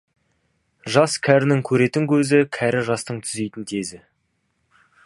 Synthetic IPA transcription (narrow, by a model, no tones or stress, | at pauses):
ʒɑskʲʰæɾɪnɪŋkʲʰɵɾe̞t̪ɪŋkʲʰɵzɪkʲʰæɾɪʒɑst̪əɴt̪ʰʏ̥ze̞jt̪ɪnt̪ʰe̞zɪ